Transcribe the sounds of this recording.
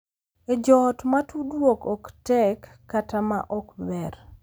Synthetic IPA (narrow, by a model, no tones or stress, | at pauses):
ed͡ʒɔtmatudwokɔktɛkːatama̰ʔɔkbɛr